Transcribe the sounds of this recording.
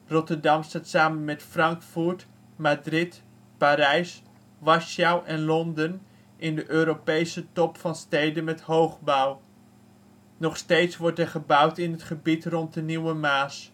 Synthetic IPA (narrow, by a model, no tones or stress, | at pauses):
rɔtəɹdɑmstaːtsaːmənmɛtfrɑŋkfuɹt | madrɪt | paːɾɛjs | ʋɑʃawʔɛnlɔndən | ʔɪndəʔøːɾopejsətɔpfɑnstejdənmɛthowχbaw | nɔχstejtsʋɔɹtɛɹχəbʌwtɪnɦətχəbitrɔnt̚dəniwəmaːs